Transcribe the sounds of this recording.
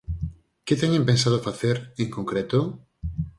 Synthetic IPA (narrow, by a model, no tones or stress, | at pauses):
kɪt̪ɛɲẽmpẽnsað̞ofaθeɾeŋkõŋkɾet̪o